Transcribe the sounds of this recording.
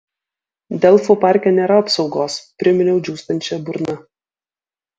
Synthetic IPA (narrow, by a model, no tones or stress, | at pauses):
d̪ʲɛlˠfupɑˑɾʲkʲɛnʲeːɾɐɐpsɒʊɡoːspʲɾʲɪmʲɪnʲɛʊd͡ʒʲuːst̪ɐnʲt͡ʃʲɛbʊɾnɐ